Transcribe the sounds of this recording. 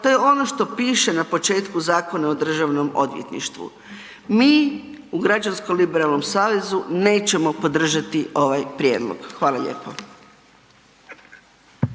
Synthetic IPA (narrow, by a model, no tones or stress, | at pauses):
t̪o̞jeo̞no̞ʃt̪o̞piːʃenapo̞t͡ʃe̞ːt̪kuzaːko̞naod̪r̩ʒaʋno̞mo̞̰d̪ʋjḛt̪nḭʃt̪ʋṵ | miː | uɡɾad͡ʑanskolibeɾalˠno̞msaːʋe̞zune̞ːt͡ɕe̞mo̞po̞d̪r̩ʒat̪iʔo̞ʋajpɾjeːd̪lˠo̰ɡ̥xʋaːlaʎḛːpo